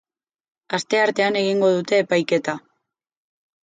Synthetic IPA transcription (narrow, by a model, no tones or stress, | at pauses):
ast̪e̞aɾt̪e̞ane̞ɣ̞iŋɡo̞ðut̪e̞ːpajke̞t̪a